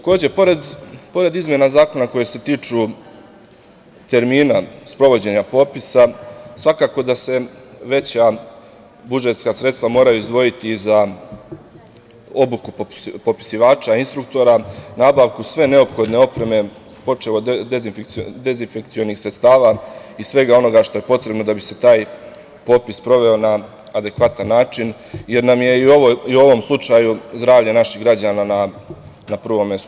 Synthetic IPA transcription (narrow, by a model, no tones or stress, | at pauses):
t̪ako̞ːd͡ʑe̞po̞ɾe̞d̪po̞ɾe̞d̪izmje̞nazaːko̞nako̞jese̞t̪iːt͡ʂu | t̪e̞ɾmiːnaspɾo̞ʋo̞d͡ʑe̞ɲapo̞ːpisasʋakaːko̞d̪ase̞ʋe̞t͡ɕa | bud͡ʒe̞t̪skasɾe̞t̪st̪ʋamo̞ːɾajuizd̪ʋo̞jit̪iza | o̞bukuppo̞pi̥siʋaːt͡ʃainst̪ɾukt̪o̞ɾanaːbaʋkusʋe̞ne̞o̞pxo̞d̪ne̞o̞pɾe̞me̞ | po̞t͡ʂe̞lo̞d̪ezfd̪ezinfe̞kt̪sio̞nixsɾet̪st̪aːʋaisʋe̞ɡao̞no̞ɡaʃt̪o̞je̞po̞t̪ɾe̞bno̞d̪abise̞t̪aːj | po̞ːpispɾo̞ʋe̞o̞naː | d̪e̞kʋat̪anːaːt͡ʃinje̞ɾnamje̞iooiuo̞ʋo̞mslˠut͡ʃaːjuzd̪ɾaːʋʎanaʃiɣɡɾad͡ʑaːnana | napr̩ʋo̞mːest̪u